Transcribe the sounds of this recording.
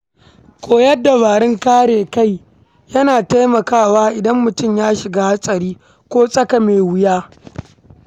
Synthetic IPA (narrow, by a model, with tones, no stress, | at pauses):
kʷʼoː˨jɐ˦dːa˨baː˨ɾɪ˦ŋkaː˦ɽeː˨ka˦˨j | jɐ˦naː˨ta˦jmɐ˨kaː˦˨waː˦ʔɪ˨dɐ˦mːʊ˨tʊ˦˨mjaː˦ʃɪ˨ɡaː˦ha˦sʼɐ˨ɾiː˦ | kʷoː˦sʼɐ˦ka˨meː˨wɪ˦jaː˦